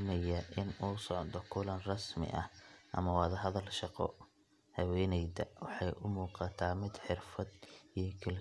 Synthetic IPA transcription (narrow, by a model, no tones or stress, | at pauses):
mɐjɐʔɪnuːsɔʕðɔkʰʊlɐnrɑsmɪ̰ʔɐ̰hʔɐ̰mɐwɑːðɐɦɐðɐlʃɑqɔ̰ | hɐwɛːnɛjd̪ɐwɑħɑjʔʊmuːqɑt̪ʰaːmɪd̪ħɪrfɐd̪ijɞkʰɐl